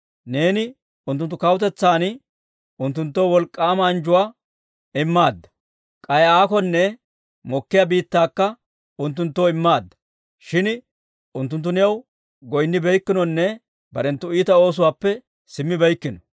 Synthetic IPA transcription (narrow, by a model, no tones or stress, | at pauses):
ne̞ːnɪ | ʊnt̪ːʊnt̪ːʊkɐwt̪ɛt͡sːaːn | ʊnt̪ːʊnt̪ːoːwɔlkʼːaːmɐːnd͡ʒʊwaː | ɪmːaːd̪ːɐ̥ | kʼɐjaːkɔnːɛ | mɔkːɪjabiːt̪ːaːkːɐ | ʊnt̪̬ːʊnt̪ːoːɪmːaːd̪ːɐ̥ | ʃɪn | ʊnt̪ːʊnt̪ːʊnɛɐw | ɡɔjnːɪbɛjkːɪnɔnːɛ | bɐɾɛnt̪ːʊiːt̪ɐo̞ːs̬ʊwaːpːɛ | sɪmːɪbɛjkːɪnɔ